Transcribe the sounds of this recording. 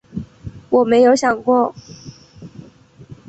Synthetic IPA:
wɔ˨˩me˧˥ɪjo˧˥ʊɕjɑ˨˩ŋkwɔ˥˩

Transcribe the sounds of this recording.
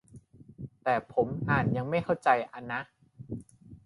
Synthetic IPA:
t̪ɛː˨˩pʰo˩˦mʔaː˨˩nja˧ŋma˥˩jkʰa˥˩wt͡ɕa˧jʔa˧nːa˦˥ʔ

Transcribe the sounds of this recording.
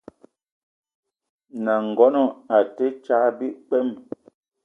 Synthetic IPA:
na˨ŋ̩˨ɡɔ˦nɔ˦˨a˨te˦t͡ʃaː˨˦bi˦ʔk͡pɛ˦˨m

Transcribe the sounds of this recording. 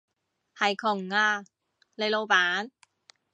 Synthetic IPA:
ha˨˩jkʰo˨˩ŋːaː˧˩ | le˧jlo˧baː˨˦n

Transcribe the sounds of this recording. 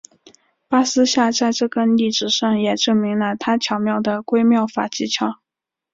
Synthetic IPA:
pa˥sɹ̩˥ɕja˥˧t͡sa˥˧ɪʈ͡ʂɤ˥˩kə˥nli˥˩ʈ͡ʂɻ̩˨˩ʂɑ˥˩ŋjɛ˨˩ʈ͡ʂɤ˥˩ŋmi˧˥ŋlə˧t̪ʰa˥t͡ɕʰjɑ˨˩ʊmjɑ˥˩ʊd̪ə˩kwe˥ɪmjɑ˥˩ʊfa̰˨˩t͡ɕi˧˥t͡ɕʰjɑ˨˩˦ʊ

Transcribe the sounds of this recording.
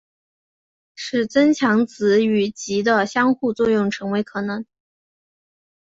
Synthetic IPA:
ʂɻ̩˥˩t͡sə˥nt͡ɕʰjɑ˧˥ŋt͡sɹ̩˧˥y˨˩t͡ɕi˧˥d̪ə˧ɕjɑ˥ŋxu˥˧t͡swɔ˥˧jʊ˥˩ŋʈ͡ʂʰɤ˧˥ŋwe˧˥ɪkʰɤ˨˩nə˧˥˦n

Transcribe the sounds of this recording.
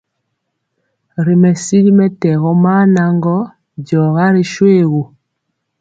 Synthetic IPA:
ɾi˨mɛ˨si˦ɾi˦mɛ˦tɛ˨ɣɔ˦ma˦na˨ŋɡɔ˦ | ɟɔ˨ɣa˦ɾi˦ʃweː˦ɣu˨

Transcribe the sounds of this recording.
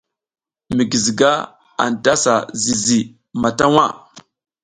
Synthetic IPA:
mi˨ɡi˨zi˨ɡa˦ | a̰˨n˨ta˦sa˨zi˨zi˨ | ma˨ta˦wa˦˨

